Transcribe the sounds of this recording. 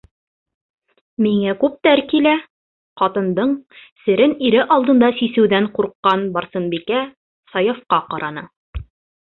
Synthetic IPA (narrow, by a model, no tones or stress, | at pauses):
miŋækʉp̚t̪æɾkilæ | qɑt̪ɤ̆nd̪ɤɴsɘ̆ɾɘniɾɘʔɑlˠd̪ɤ̆nd̪ɑsisɘ̆wðæɴquɾqːɑnbɑɾsɤnbikæ | sɑjŏfqɑqɑɾʔɑnɤ